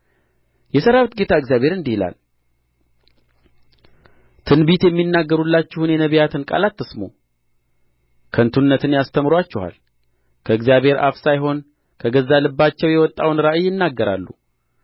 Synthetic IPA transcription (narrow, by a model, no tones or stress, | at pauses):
jɛsəɾaβt̪ɡe̞t̪ʰaɨɡzjaβhe̞ɾɨnd̪ihila̰l | t̪ʰɨnbit̪jɛmːinːaɡːəɾulːat͡ʃːɪhunjɛnəβijat̪ʰɨnkʼa̰lat̪ːɨsmo̰ | kʰənt̪ʰunːət̪ʰɨnjast̪ʰəmɾoat͡ʃːɪha̰l | kʰəɨɡzjaβhe̞ɾʔa̰fsajɦo̞n | kʰəɡəzːalɨbːat͡ʃːɛwjɛwɔt̪ʼːawnɾaʔɨjːɪnːaɡːəɾa̰lːṵ